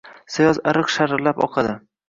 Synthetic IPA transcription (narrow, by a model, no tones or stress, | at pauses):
sajɒzaɾɨqʃaɾɾlapɒ̰qʰɑd̪ɪ